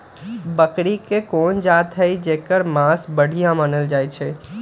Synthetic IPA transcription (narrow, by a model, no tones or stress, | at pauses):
bəkɽikekond͡ʒat̪ɦəid͡ʒeːkəɾmãsbəɽ̤ʱijãmanəld͡ʒajt͡ʃʰɛ̃